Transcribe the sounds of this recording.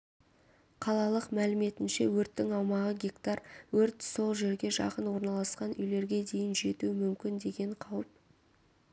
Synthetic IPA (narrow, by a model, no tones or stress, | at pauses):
qʰɑlˠɑlˠəqmælɪme̞t̪ɪnʃe̞wɵɾt̪ːɪŋɑwmɑʁəɡʲekt̪ɑɾwɵɾt̪so̞lˠʒe̞ɾɡʲe̞ʒɑ̰qənwo̞ɾnɑlˠɑsqɑnʏjle̞ɾɡʲe̞d̪e̞jɪnʒe̞t̪uəmʏmkʲɪnd̪e̞ɡʲe̞ɴqʰɑwəp̚